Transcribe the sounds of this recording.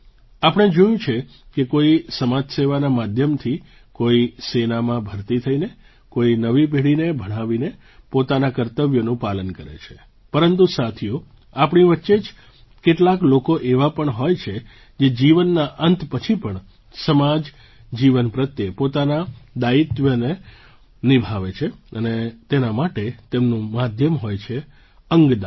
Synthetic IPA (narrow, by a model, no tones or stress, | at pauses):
apəɳ̃ed͡ʒujũt͡ʃʰe | kekoisəmad͡ʒseʋanamad̪ʱjəmt̪ʰi | koisenamãbʱəɾt̪it̪ʰəine | koinəʋibʱeɽinebʱəɽ̃ãʋine | pot̪anakəɾt̪əʋjonũpalənkəɾḛt͡ʃʰe̥ | pəɾənt̪usat̪ʰjũ | apɳ̃iʋətːʃed͡ʒ | keʈlaklokoʔeʋapəɳɦojt͡ʃʰe | d͡ʒed͡ʒiʋənːaʔənt̪pət͡ʃʰipəɳ | səmad͡ʒ | d͡ʒiʋənpɾət̪jepot̪anad̪ait̪ʋjəne | nibʱaʋet͡ʃʰeənet̪enamaʈet̪emnũmad̪ʱjəmɦojt͡ʃʰe | əŋɡd̪a